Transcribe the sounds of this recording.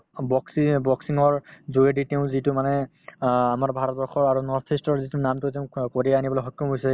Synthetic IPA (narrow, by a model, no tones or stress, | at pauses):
bɔksibɔksiŋɔɹzoeɖiteʊ̃zitʊmanɛ | amaɹbʱaɹɔt̪̚bɔɹxʰɔɹaɹunɔsʰistɔɹzitunamtʊteʊ̃koɹiaanibɔlojɦɔkːɔmɦojsɛ